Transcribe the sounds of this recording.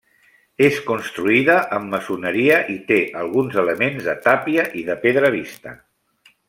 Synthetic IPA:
eskunst̪ɾuiðəʔəmːəsunəɾiəʔit̪eʔəlˠɣ̞unzələmenzðət̪apiəʔiðəpeðɾəβ̞ist̪ə̰

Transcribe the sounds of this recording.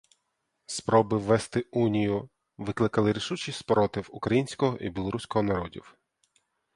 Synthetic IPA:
spɾɔbɪʋːɛst̪ɪunʲijʊ | ʋɪklˠɪkɐlˠɪɾʲiʃut͡ʃisʲpɾɔt̪ɪwʊkɾɐjinʲsʲkɔɦɔʔibʲilˠɔɾusʲkɔɦɔnɐɾɔdʲḭw

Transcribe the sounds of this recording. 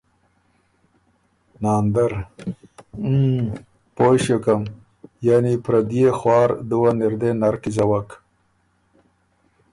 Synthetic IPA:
nɑːnd̪aɾ | pojʃokam | jaːnipɾad̪ijexwɑːɾd̪uwanɪɾd̪enaɾkizawak

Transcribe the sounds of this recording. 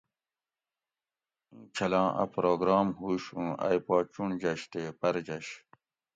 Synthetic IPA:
ũːt͡ɕʰɐlɑ̃ːʔɐ̰pɾoːɡɾɑːmhuːɕũːa̰jpaːt͡ɕuɳd͡ʑɐɕt̪eːpɐɾd͡ʑɐɕ

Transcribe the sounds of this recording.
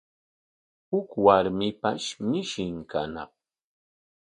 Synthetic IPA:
hʊkwaɾmɪpaʃmɪʃɪŋka̰nɑ̰χ

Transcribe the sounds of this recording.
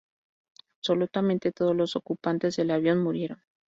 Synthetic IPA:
apso̞lut̪amẽ̞nt̪e̞t̪o̞ð̞o̞zlo̞so̞kupant̪e̞zðe̞laβ̞jo̞nmuɾje̞ɾo̞n

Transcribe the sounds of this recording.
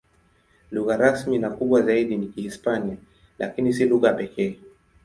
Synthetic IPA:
luɣaɾasminakuɓwazaiɗinikihispania | lʔa̰kinis̬iluɣapɛkɛː

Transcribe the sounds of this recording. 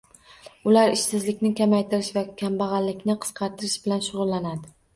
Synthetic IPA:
ʊlaɾɪʃsɪzlɪkʲnɪkʲʰamajt̪ʰɪɾɪʃvakʲʰambɑʁɑllɪkʲnɪqʰɨ̥sqʰɑɾt̪ʰɪɾɪʃbɪlanʃʊʁʊlˠːanad̪ɪ

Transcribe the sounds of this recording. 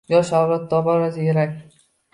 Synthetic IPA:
jɒʃawɾat̪̚ːɒbɒɾasajeɾakʲ

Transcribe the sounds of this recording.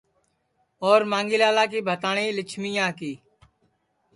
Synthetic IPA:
oːɾmãːŋɡiːlaːlaːkiːbʱət̪aːɳĩːlɪt͡ʃʰmijãːkiː

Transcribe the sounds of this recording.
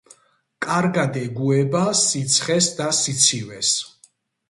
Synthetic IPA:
kʼaɾɡad̪ɛɡuɛbasit̪sʰχɛsd̪asit̪sʰivɛs

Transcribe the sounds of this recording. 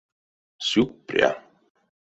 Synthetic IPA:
sjuk̚pɾj̰a̰

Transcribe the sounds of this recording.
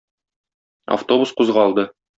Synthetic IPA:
a̰ft̪o̞busquzʁɑɒlˠd̪ɤ

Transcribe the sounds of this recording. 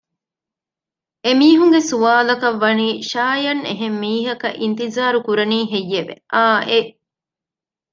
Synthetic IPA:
emiːɦuŋɡesuʋaːlɐkɐʋːɐniːʃaːjɐneɦemːiːɦɐkɐ̰ʔint̪izaːɾukuɾɐniːɦejːeʋḛʔaːʔe

